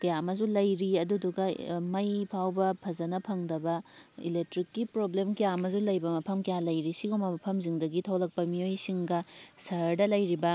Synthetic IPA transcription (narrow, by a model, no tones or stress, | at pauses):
kɐjamɐzulɐjɾiɐduduɡɐmɐjpʰawbɐpʰɐzɐnɐpʰɐŋdɐbɐḭlek̚tɾikːipɾoblemkɐjamɐzulɐjbɐmɐpʰɐmkɐjalɐjɾisiɡomɐmɐpʰɐmziŋdɐɡitʰɐwlɐk̚pɐmiojsiŋɡɐsɐɾdɐlɐjɾibɐ